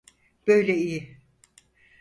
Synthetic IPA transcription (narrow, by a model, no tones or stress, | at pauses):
b̥ø̞jlʲɛijɪ